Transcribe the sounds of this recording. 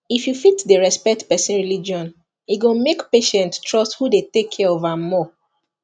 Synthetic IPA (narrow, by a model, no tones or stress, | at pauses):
ifjufitdəɹɛspɛk̚tpɛsĩnɹilid͡ʒiɔ̃n | iɡõmekpeʃɛ̃nttɹɔsthudetekʰɛovamɔ